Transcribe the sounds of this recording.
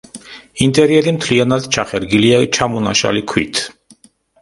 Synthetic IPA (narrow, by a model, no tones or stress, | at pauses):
int̪ʼɛɾiɛɾimt̪ʰlianad̪t͡ʃʰaχɛɾɡiliat͡ʃʰamɔna̰ʃa̰likʰwḭt̪ʰ